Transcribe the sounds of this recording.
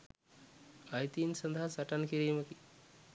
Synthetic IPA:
ɐjt̪insɐnd̪ʱaɦɐsɐʈɐnkiɾiːmɐki

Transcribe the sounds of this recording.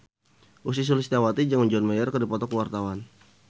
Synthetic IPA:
ʔus̬is̬ulist̪awat̪id͡ʒaŋməɲd͡ʒɔnmajərkərdipɔt̪ɔkəwart̪awan

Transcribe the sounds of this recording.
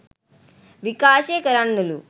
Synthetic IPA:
ʋikaːʃeːkɐɾanːulu

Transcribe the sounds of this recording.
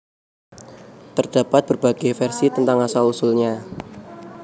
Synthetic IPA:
t̪ərd̥apat̪̚b̥ərba̤ɡ̥efɛrsit̪ənt̪aŋasalusulɲa

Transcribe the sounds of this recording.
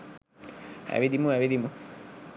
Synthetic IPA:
a̰βid̪imuaβid̪imu

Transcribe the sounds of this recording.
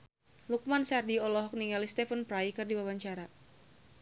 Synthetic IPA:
luk̚mansardiɔlɔɦɔk̚niŋɡalist̪ɛfənpɾajkɨrdiwawaɲt͡ʃaɾa

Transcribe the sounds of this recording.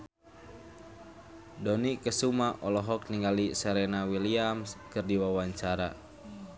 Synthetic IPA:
dɔnikəsumaʔɔlɔɦɔkniŋɡalisɛɾenawiliamskɨrdiwawaɲt͡ʃaɾa̰

